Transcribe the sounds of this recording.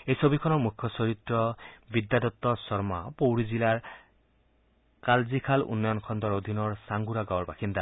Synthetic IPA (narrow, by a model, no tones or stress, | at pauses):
ejsobikʰɔnɔɹmukʰjɔsɔɹit̪ɹɔbid̪ːad̪ɔt̪ːɔsɔɹmapowɹizilaɹ | kalzikʰalṵnːɔjɔnkʰɔnd̪ɔɹod̪ʱinɔɹsaŋɡuɾaɡawɔɹbaxind̪ʱa